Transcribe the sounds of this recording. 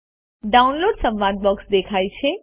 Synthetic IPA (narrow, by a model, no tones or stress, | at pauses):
ɖaunloɖsə̃mʋãd̪̚bɔksd̪ekʰajt͡ʃʰe